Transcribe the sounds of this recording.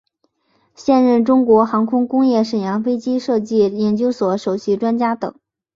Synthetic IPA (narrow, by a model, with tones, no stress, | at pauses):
ɕjɛ˥˧nɻə˥˩nʈ͡ʂʊ˥ŋkwɔ˧˥xɑ˧˥ŋkʰʊ˥ŋkʊ˥ŋjɛ˥˩ʂə˨˩njɑ˧˥ŋfe˥ɪt͡ɕi˥ʂɤ˥˧t͡ɕi˥˩jɛ˨˩nt͡ɕjo˥ʊswɔ˨˩˥ʂo˨˩ʊɕi˧˥ʈ͡ʂwa˥nt͡ɕja˥t̪ɤ̰˨˩˦ŋ